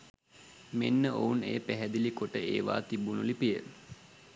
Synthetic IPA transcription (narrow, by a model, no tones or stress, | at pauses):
menːəʔounḛːpæɦæd̪ilikoʈəeːʋa̰ːt̪ibunulipijə